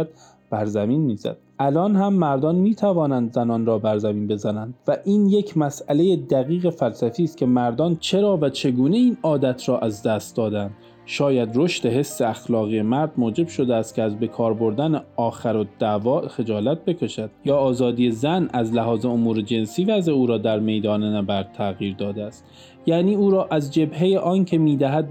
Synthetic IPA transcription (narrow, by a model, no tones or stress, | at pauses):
æd̪̥ | b̥æɾzæmiːnmiːzæ̰d̪̥ʔælɒːnhæmːæɾd̪ɒːnmiːt̪ʰævɒːnænd̪zænɒːnɾɒːbæɾzæmiːnbe̞zænænd̪̥væʔiːnjecʰmæsæle̞jed̪æɣiːɣe̞fælsæfiːst̪̚cʰe̞mæɾd̪ɒːnt͡ʃʰe̞ɾɒːvæt͡ʃʰe̞ɡuːne̞iːnɒːd̪æt̪ʰɾɒːʔæzd̪æst̪̚d̪ɒːd̪ænd̪̥ | ʃɒːjæd̪ɾoʃt̪e̞ɦe̞sːe̞æxlɒːɣije̞mæɾd̪moːd͡ʒe̞bʃo̞d̪eæst̪̚kʰʲeæzbe̞kʰɒːɾbo̞ɾd̪æneɒːxæɾod̪̥ævɒːxe̞d͡ʒɒːlæt̪̚be̞kʰe̞ʃæd̪̥jɒːzɒːd̪ije̞zænæzlæɦɒːze̞omuːɾed͡ʒe̞nsiːvæzeuːɾɒːd̪æɾme̞jd̪ɒːnenæbæɾd̪̚t̪ʰːæɣiːɾd̪ɒːd̪eæst̪ | jæːniːuːɾɒːʔæzd͡ʒe̞bhe̞jeʔɒːncʰe̞miːd̪æɦæd̪̚